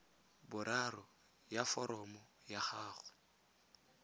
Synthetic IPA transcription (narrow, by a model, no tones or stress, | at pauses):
bʊɾarɔ | jafɔɾɔmɔjaχaːχʊ̥